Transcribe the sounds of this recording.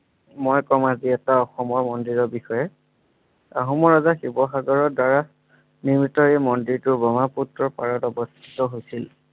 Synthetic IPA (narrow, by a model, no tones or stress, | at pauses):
mojkɔmaziɛtaɔxɔmɔɹmɔndiɹɔɹbixɔjɛ | a̰ɦɔmɔɹazaxibɔxaɡɔɹɔdaɹa | niɹmitɔɹɛmɔndiɹtʊbɔmaputɹɔɹpaɹɔtɔbɔst̪ʰi̥tɔɦojsil